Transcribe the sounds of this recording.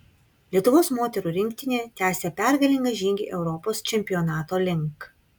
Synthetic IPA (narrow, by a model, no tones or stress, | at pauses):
lʲiɛt̪ʊʋoːsmoːt̪ʲɛɾuːˑɾʲɪŋʲkʲt̪ʲɪnʲeːt̪ʲæːsʲeːpʲɛˑɾɡɐlʲɪŋɡɐʒʲiːŋʲɡʲiʔɛʊɾɔpoːst͡ʃʲɛmʲpʲɪjɔːnɑːt̪oːlʲɪŋˑk